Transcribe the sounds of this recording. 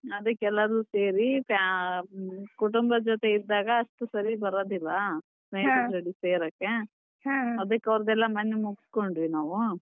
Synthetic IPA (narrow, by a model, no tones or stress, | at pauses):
ɐd̪ɐkːɛlːɐɾuse̞ːɾipa | kuʈumbɐd͡ʒɔt̪e̞id̪ːaːɡɐːʂt̪usɐɾibɐɾoːd̪ilːɐ | snɐjsɐɾɐɽiseːɾɐkːe | ɐd̪ɐkːɐʋɾɐd̪ɛlːɐmɐnːemuɡsko̞ɳɖʋinaːʋu